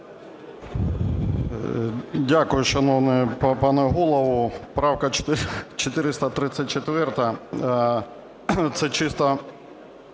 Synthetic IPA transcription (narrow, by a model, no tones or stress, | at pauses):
dʲakʊjʊʃɐnɔwnɛppɑnɛɦulˠɔʋʊpɾɑwkɐt͡ʃt̪t͡ʃɔt̪ɪɾɪst̪ɐt̪ɾɪt̪sʲɐt̚ʲt͡ʃet̪ʋɛrt̪ɐ | t̪sɛt͡ʃɪst̪ɐ